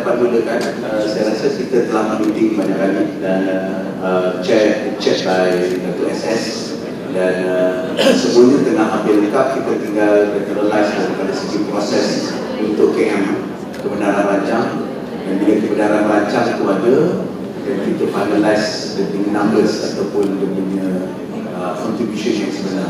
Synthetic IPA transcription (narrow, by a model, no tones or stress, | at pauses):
apat̚buləkan | əsajaɾasakit̪ət̪əlamlit̪ɪŋbaɲakalidan | ət͡ʃɛɔk̚t͡ʃɛt̚bajdat̪uʔɛsɛs | dan | səmuaɲat̪ənahambɪləkap̚kit̪ət̪iŋɡald͡ʒɛt̪əɾəlajsdaɾipadasəkupɾɔsɛs | unt̪ʊʔkəŋãn | kəbənaɾanbaɲt͡ʃaŋ | danbiləkəbənaɾanbaɲt͡ʃaŋit̪uadə | t̪ɛnfjut̪ufajnalajs | dəbuɲə̃nãmbəsat̪awpʊndəɡəɲə̃ | əkɔnt̪ɾibjuʃeʃənsəbəna